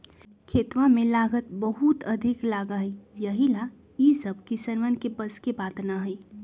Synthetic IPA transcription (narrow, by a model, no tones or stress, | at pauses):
kʰeːt̪ʋãmẽlaːɡət̪̚bəɦut̪əd̪ʱiklaːɡəɦijəɦila | isəb̚ʱkisənʋənkebəskebaːt̪naɦəi